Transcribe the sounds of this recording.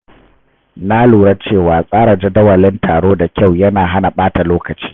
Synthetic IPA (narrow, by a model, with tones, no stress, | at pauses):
na˦luː˨ɽɐ˦t͡ʃeː˦˨waː˨sʼaː˦ɽa˨d͡ʒa˦dɐ˦wɐ˨lɪ˦ntʰaː˨ɽoː˦da˨kʲa˦˨wjɐ˦naː˨ɦa˦na˨ɓaː˦ta˨loː˦kɐ˨t͡ʃi̥ː˦